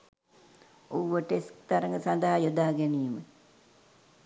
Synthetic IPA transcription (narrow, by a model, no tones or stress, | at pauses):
owʋəʈeskt̪aɾəŋɡəsand̪əɦajod̪aːɡeniːmə